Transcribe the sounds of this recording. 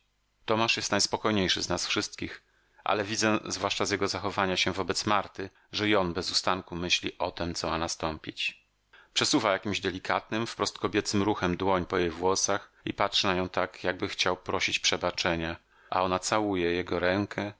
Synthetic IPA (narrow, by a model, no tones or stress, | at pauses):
t̪ɔmaʂjɛst̪najspɔkɔjɲejʂɘznasfʂɘst̪kʲix | ʔa̰lɛvʲid̪zɛzvwaʂt͡ʂazjɛɡɔzaxɔvaɲaɕɛvɔbɛt̪smaɾt̪ɘ | ʐɛjɔnbɛzust̪aŋkumɘɕlʲḭʔɔt̪ɛmt̪sɔmanast̪ɔmpʲit͡ɕ | pʂɛsuvajakʲimʑd̪ɛlʲikʰat̪̚nɘmfpɾɔst̪̚kɔbʲjɛt̪sɘmɾuxɛmd̪wɔɲpɔjejvwɔsaxḭpatʂɨnajɔ̃w̃t̪akjaɡ̚bɘxt͡ɕawpɾɔɕit͡ɕpʂɛbat͡ʂɛɲa | ʔa̰ɔnat̪sawujɛjɛɡɔɾɛŋkʰɛ